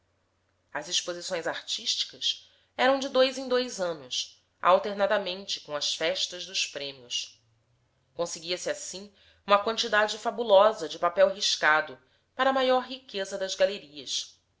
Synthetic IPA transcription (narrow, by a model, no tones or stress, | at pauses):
ɐziʃpozisõj̃zaɾt͡ʃiʃt͡ʃi̥kɐs | ɛɾɐ̃w̃d͡ʒɪd̪ojzẽj̃d̪ojzɐ̃nʊs | a̰wt̪eɾnad̪ɐmẽnt͡ʃɪ̥kõɐsfɛʃt̪ɐʒd̪ʊʃpɾẽmiʊ̰s | kõseɡiɐsɪasĩ | ũmɐkwɐ̃nt͡ʃid̪ad͡ʒɪfabulɔzɐd͡ʒɪpapɛwɦiʃkad̪ʊ | paɾɐmajɔɾɦikezɐd̪ɐzɡaleɾiɐs